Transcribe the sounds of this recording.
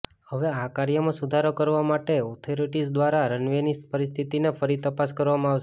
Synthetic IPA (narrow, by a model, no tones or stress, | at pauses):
həʋeakaɾjəmãsud̪ʱaɾokəɾʋamaʈeɔt̪ʰoɾiʈisd̪ʋaɾaɾənʋenis̚pəɾist̪ʰit̪inefʰəɾit̪əpaskəɾʋamãaʋʃ